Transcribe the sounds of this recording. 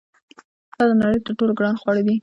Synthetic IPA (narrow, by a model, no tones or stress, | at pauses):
d̪ɑd̪ənaɽəjt̪əɾʈolɡɽɑnxwɑɽəd̪i